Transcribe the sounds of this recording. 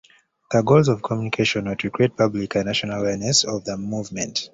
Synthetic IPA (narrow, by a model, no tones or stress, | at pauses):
ðəɡolzɔv̥kʰɔmjunikʰeʃɔ̃nwudɹikʰɹ̥et̚pʰablikʰãnːaʃɔnalawɛɹnɛsɔvðəmuvmɛ̃nt